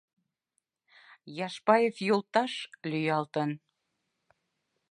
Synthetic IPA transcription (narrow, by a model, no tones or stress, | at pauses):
jɑʃpɑjefjolt̪ɑʃlyjɑlt̪ən